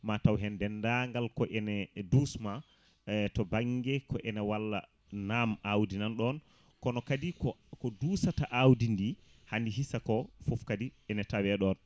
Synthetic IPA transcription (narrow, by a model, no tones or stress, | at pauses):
matawɦɛndɛndaŋɡalkɔʔɛnɛdusma | tɔbaŋɡɛkɔʔɛnɛwalːa̰ | namawdinanɗɔn | kɔnɔkadikɔkɔdusataʔawdindi | handiɦisakɔfofkadiɛnɛtawɛɗɔn